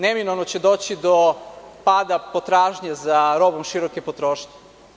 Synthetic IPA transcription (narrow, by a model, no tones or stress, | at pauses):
neminoʋnot͡ɕed̪oːt͡ɕid̪opaːd̪apot̪ɾaːʒɲazaɾobomʃiɾokepot̪ɾoːʃɲe̥